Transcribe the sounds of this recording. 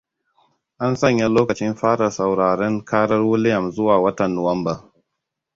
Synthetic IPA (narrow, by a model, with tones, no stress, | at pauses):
ʔa˦nsɐ˦˨ɲja˦loː˦kɐ˨t͡ʃɪ˦mɸaː˦ɽɐ˨sa˨wɽaː˨ɽɛ˦ŋkʰaː˦ɽɐ˦rwʊ˦lɪ˦jɐ˨mzʊ˦waː˨wɐ˦tɐ˨nːo˨wɐ˦mba˨